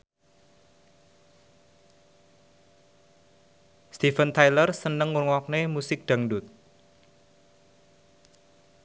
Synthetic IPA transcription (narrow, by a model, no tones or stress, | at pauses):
st̪ifənt̪ajlərsənəŋːurŋwɔk̚nemusɪk̚d̪̥a̤ŋɖʊt̪̚